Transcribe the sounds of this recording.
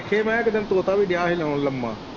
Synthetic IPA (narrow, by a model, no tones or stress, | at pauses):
kʰːeːmɛ̃ːɪkd̪ənt̪oːt̪aːbiːɖɪjaːɦilaːnləmːã̰ː